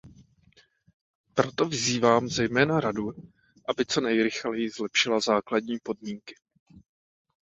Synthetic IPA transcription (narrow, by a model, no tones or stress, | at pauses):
pɾo̞t̪o̞vɪziːvaːmzɛjmɛːnaɾadu | ʔabɪt͡so̞nɛjɾɪxlɛjɪzlɛpʃɪlazaːkladɲiːpo̞d̚miːŋkɪ̥